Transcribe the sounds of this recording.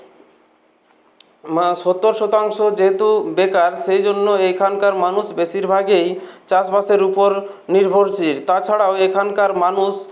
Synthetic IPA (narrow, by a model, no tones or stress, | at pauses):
maʃɔt̪ːoɾʃɔt̪aŋʃod͡ʑeɦet̪ubekaɾʃejd͡ʑonːoekʰankaɾmanuʃbeʃiɾbʱaɡejt͡ɕasbaseɾupoɾ | niɾbʱoɾt͡ɕʰiɾt̪at͡ɕʰaɽaoekʰankaɾmanuʃ